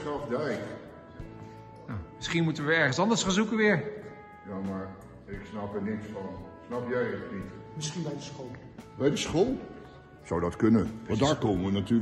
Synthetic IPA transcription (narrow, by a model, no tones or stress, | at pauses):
ɑfdɛjk | nawmɪsχinmutəʋəɛɹχənsɑndəɹsχanzukəʋɪːɹ | jaːmaːɹ | ɪksnɑpəɹnɪksfɑnsnɑpjɛjətnitmɪsχinbɛjdəsχolˠ | bɛjdəsχolˠ | z̥ɔwdɑtkɵnəndaːɹkoːməʋənatyː